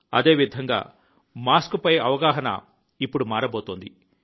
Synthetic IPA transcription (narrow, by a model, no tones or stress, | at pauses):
ɐ̰d̪e̞ːʋid̪ʱɐŋɡa̰ː | maːskupɐjɐʋɐɡaːɦɐnɐ̰ | ipːuɽumaːɾɐboːt̪oːnd̪i